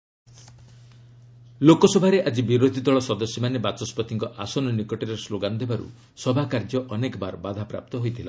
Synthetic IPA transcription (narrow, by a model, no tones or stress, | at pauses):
lokɔsɔbʱaɾeʔad͡ʒibiɾod̪ʱid̪ɔɭɔsɔd̪ɔsjɔmanebat͡ʃɔspɔt̪ʰiŋkɔʔasɔnɔnikɔʈiɾesloɡanɔd̪ʱebaɾṵ | sɔbʱakaɾd͡ʒɔʔɔnekɔbaɾbad̪ʱapɾa̰p̚t̪ɔɦojt̪ʰila̰